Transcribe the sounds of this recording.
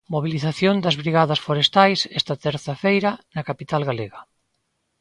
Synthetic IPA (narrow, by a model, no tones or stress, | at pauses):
moβiliθaθjond̪ɐzβɾiɣaðɐsfoɾest̪ajsɛst̪ɐt̪ɛɾθɐfejɾɐnɐkapit̪alɣaleɣɐ